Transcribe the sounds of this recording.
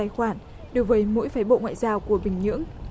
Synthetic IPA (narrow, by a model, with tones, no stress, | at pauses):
jxwaː˧˩n | ɗo˨˩˦wvəː˨˦jmo̰˧˥jfaː˨˦jɓo̰˧˨ŋwa̰ː˧˨jzaː˧wku˧˩əɓï˨˩ŋ̟ɲɨ̰˧˥əŋ